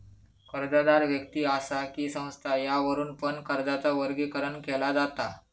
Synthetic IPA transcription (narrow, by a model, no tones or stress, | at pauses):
kəɾd͡zad̪aɾʋjək̚t̪iːasakiːsə̃w̃st̪ʰajaʋəɾuːnpənkəɾd͡zat͡saʋəɾɡikəɾəɳkɛlad͡zat̪a